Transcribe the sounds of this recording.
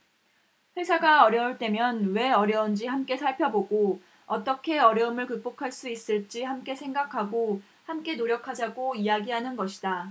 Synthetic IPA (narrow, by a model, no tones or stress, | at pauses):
ɸe̞sʰaɡaʌɾjʌɯɭt͈e̞mjʌnwe̞ʌɾjʌund͡ʑihamk͈e̞sʰaɭpʰjʌboɡo | ʌt͈ʌkʰe̞ʌɾjʌɯmɯɭkɯk̚p͈okʰaɭs͈uis͈ɯɭt͡ɕ͈ihamk͈e̞sʰe̞ŋɡakʰaɡo | hamk͈e̞noɾjʌkʰad͡ʑaɡoijaɡiɦanɯnɡʌɕʰid̥a